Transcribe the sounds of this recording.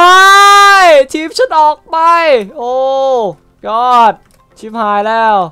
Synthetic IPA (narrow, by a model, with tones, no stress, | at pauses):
a˦˧˥jt͡ɕ̪ʰiː˧˥˩p̚t͡ɕʰu˧˩t̪̚ʔɔː˨˩k̚pa˧jʔoː˧˩ | jɔː˧˥˩t̪̚ | t͡ɕʰiː˧˥˩phaː˨˧jlɛː˥˩w